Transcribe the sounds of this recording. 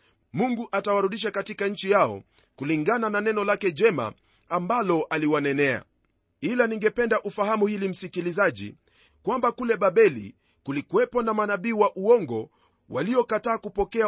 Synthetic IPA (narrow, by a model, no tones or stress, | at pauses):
muŋɡuʔatawaɾuɗiʃ̬akatikaɲ̩t͡ʃijaɔ̰ | kuliŋɡanananɛnɔlakɛʄɛma̰ | ambalɔʔaliwanɛnɛa̰ | ilaniŋɡɛpɛndaʔufahamuhilim̩sikilizaʄḭ | kwambakulɛɓaɓɛlḭ | kulikuwɛpɔnamanaɓiːwaʔuɔŋɡɔ | waliɔkataːkupɔkɛa